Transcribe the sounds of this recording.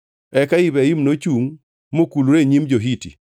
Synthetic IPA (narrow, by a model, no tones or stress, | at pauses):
ɛkaibɛimnot͡ʃuŋ | mokuluɾeɲimd͡ʒoɦitḭ